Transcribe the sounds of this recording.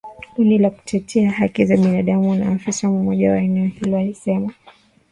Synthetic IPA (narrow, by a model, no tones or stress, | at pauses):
kunilaku̥tʰɛtʰɛaɦakizaɓinaɗamuna̰ːfisamɔmɔʄa̰waɛnɛɔhilɔalisɛma